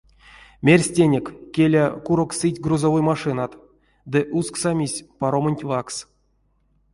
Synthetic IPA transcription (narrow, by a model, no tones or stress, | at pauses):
mʲerʲsʲtʲenʲekːʲelʲakuɾoksɨtʲɡruzavojmaʂɨnat̪ | d̪ɨʔusksamʲisʲpaɾomənʲtʲvaks